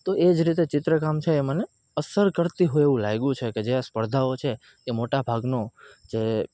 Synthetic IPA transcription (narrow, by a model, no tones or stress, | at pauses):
t̪oʔed͡ʒɾit̪et͡ʃɪt̪ɾəkamt͡ʃʰeːməne | əsəɾkəɾt̪iɦoieʋũlajɡũt͡ʃʰeked͡ʒeaspəɾd̪ʱaot͡ʃʰeː | moʈabʱaɡnod͡ʒe